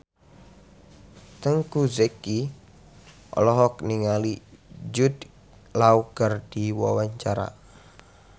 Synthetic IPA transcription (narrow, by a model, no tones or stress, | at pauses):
t̪əŋkuzeki | ʔɔ̰lɔɦɔkniŋalid͡ʒud̪ | lauɡ̥ərd̥iwawaɲt͡ʃaɾa̰